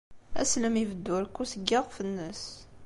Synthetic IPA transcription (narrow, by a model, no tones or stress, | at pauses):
æ̰sləmivəd̪ːʊɾkːusəɡːiʁfənːəs